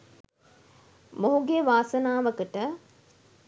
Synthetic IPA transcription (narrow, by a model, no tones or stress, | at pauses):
moɦuɡeʋaːsənaːʋəkəʈə